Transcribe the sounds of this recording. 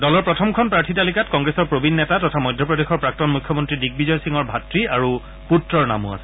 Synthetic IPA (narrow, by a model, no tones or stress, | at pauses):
dɔlɔɹpɹɔtʰɔmkʰɔnpɹaɹtʰitalikatkɔŋɡɹesɔɹpɹobinːɛtatɔtʰamɔjdʱɔpɹɔdexɔɹpɹak̚tɔnmujkʰːjɔmɔntɹidik̚bizɔjsiŋɔɹbʱatɹiaɹu | putɹɔɹna̰mṵa̰sɛ